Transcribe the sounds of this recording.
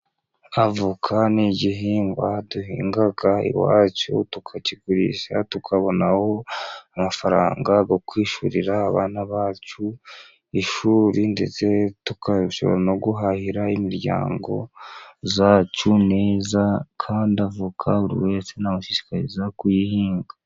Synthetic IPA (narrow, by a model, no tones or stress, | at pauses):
avukʰaniɟiɦiːŋɡwaduhiːŋɡaɡaḭwa̰ːcṵtukʰaciɡuɾḭʃa̰tukʰaβo̞naho̞amafaɾa̰ːŋɡaɡo̞kwiːʃṵɾiɾaːβa̰ːnaβaːt͡ʃu | iʃuːɾinde̞̰t͡se̞tukʰausoβoɾano̞ɡuɦahiɾaimiɾɟa̰ːŋɡo̞̰zaːt͡ʃune̞ːzakʰaːndiavukʰaβuɾḭwe̞ːt͡se̞namuʃiʃi̥kaɾḭzakujihiːŋɡa